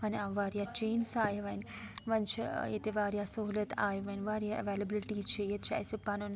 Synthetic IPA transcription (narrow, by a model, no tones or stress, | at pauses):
ʋɐnaʋaːɾjat͡ʃeːnsaːjɐʋɐjn | ʋɐnt͡ʃʰiḛt̪eʋaːɾjaːsoɦuːlɐt̪ʰa̰ːjɐʋɐjnʋaːɾjaːʔɐ̰ʋeːlɐbɪlɪʈiːt͡ʃʰejet̪̚t͡ʃʰa̰jsipːaːnon